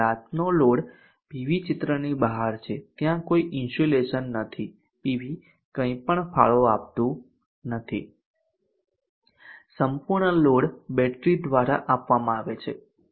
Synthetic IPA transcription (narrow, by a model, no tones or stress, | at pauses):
at̪noloɽ | piʋit͡ʃɪt̪ɾənibəɦaɾt͡ʃʰet̪jãkoiʔɪnsoleʃənːət̪ʰi | piʋi | kə̃ĩpəɳfʰa̰ɭoap̚t̪õ | nət̪ʰḭ | səmpuɾɳəloɽbɛʈɾid̪ʋaɾaʔapʋamãaʋet͡ʃʰe